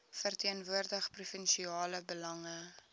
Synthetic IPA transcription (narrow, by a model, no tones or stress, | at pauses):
fərtiənvuərdəχprufənʃiɑːləbəlɐŋə